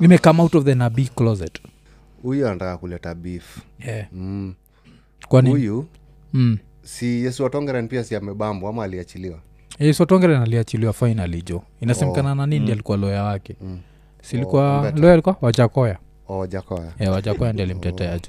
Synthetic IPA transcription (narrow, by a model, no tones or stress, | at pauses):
nimɛkamautɔvðɛnabiklɔzɛt | ujuantaakulɛtabif | ɛ | kwaniuju | sijɛsiwatɔŋɡɛɾɛnpiasiamɛɓambɔamaːliat͡ʃiliwa | jɛsiwatɔŋɡɛɾɛnaliat͡ʃiliwafajnalid͡ʒɔ | inasɛmɛkanananindialikualɔjawakɛ | silikualɔjalikuwawad͡ʒakɔja | ɔd͡ʒakɔjajɛwad͡ʒakɔjandialim̩tɛtɛad͡ʒɔ